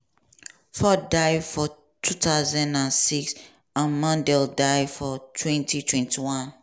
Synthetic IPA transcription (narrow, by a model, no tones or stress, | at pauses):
fɔdaɪdfɔ | tʰutaʊzãndãnsiks | ãnmãndɛldaɪfɔtʰwɛ̃ntʰitʰwɛ̃ntʰiwɔ̃n